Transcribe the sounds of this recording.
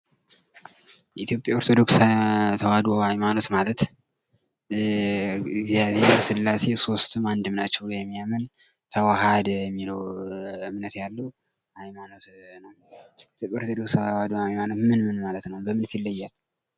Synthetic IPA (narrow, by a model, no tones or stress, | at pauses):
jɛit̪jo̞pʼjaoɾt̪ʰo̞d̪o̞kst̪ʰəwad̪ahajmanot̪malət̪ | ɡzijaβeɾsɨlːase̞so̞st̪ɨmand̪ɨmnat͡ʃːɛwjɛmːijamən | t̪ʰəwaɦad̪jɛmːiləwɨmnət̪jalːu | hajmano̞t̪nəw | t̪opʼʲaoɾt̪ʰod̪o̞kswad̪ajmano̞t̪mɨnmɨnmalət̪nəwbəmɨnsilːəjːal